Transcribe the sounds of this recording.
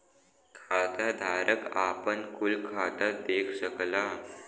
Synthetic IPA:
kʰat̪ad̪ʱaɾʔəkapənkulkʰat̪əɾd̪ekʰɕəkla

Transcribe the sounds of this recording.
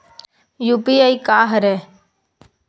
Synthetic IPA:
juːpiaikaːɦəɾɛ

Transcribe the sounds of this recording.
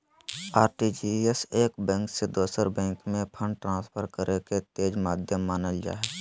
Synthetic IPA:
aːɾʈid͡ʒieseːkbɛ̃ːŋksed̪oːsəɾbɛ̃ːŋkmẽpʰə̃ɳɖ̚ʈɾãːspʰəɾkəɾʔeket̪eːd͡ʒmaːd̪ʱjəmːaːnəld͡ʒa̰ːeɛ

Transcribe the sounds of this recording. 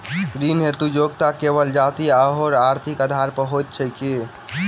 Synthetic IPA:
ɡɾinɦet̪ud͡ʒoɡt̪akeβəld͡ʒat̪iaɦoɾaɾt̪ʰikəd̪ʱaɾpəɦojt̪̚t͡ʃʰəjki

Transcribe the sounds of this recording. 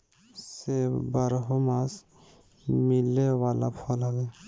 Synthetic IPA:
sebaɾɦomas | milewala̰pʰɔlɦɔbɛ

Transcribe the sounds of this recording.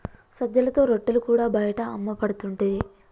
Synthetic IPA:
sɐd͡ʒːɐlɐt̪o̞ːɾoʈːɐlukuːɽaːbɐjɐʈɐːmːɐpɐɽut̪uɳʈud̪i

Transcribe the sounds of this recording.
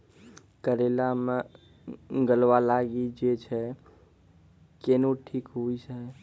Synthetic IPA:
kəɾelame | ɡəlʋalaɡid͡ʒet͡ʃʰɛ | keːnuʈʰiːkɦuisəɦ

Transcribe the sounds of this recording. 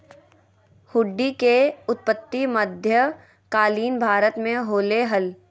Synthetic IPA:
hʊɖːikeʊt̪̚pət̪ːiməd̪ʱjə | kaːliːnbʱaːɾət̪mẽɦoːleɦɐl

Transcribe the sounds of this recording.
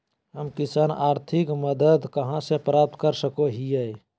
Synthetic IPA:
ɦəmkɪsaːnaːɾt̪ʰɪkməd̪əd̪kəɦãsepɾaːp̚t̪kəɾsəkoɦiɛ

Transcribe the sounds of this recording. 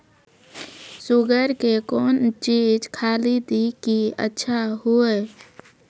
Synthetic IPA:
suɡəɾkekoːnt͡ʃid͡ʒkʰaːlid̪ikiə̰tːʃʰaɦue

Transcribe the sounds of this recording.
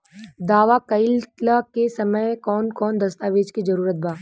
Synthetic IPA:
d̪aːʋakɐɪllakesɐməjkɔːnkɔːnd̪ɐst̪aːʋeːd͡ʒkizɐɾuːɾət̪̚bʱaː

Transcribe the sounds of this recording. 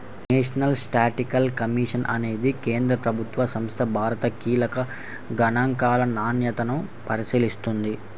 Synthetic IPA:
neːʂɐnɐlsʈaːʈikɐlkɐmiːʂɐnʔɐ̰ne̞ːd̪ikeːnd̪ɾɐpɾɐbʱut̪ʋɐsɐmst̪ʰɐbʱaːɾɐt̪ɐkiːlɐkɐ | ɡɐnaːŋkaːlɐnaːnjɐt̪ɐnu | pɐɾisiːlist̪und̪i

